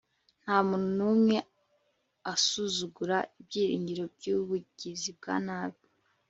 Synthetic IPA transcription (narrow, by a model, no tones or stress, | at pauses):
n̥haːmuːn̤unumŋe̞ | asuzuɡuɾaibɟiːɾiːɲɟiɾo̞bɟuβuɟizib̚ɡa̰naːβo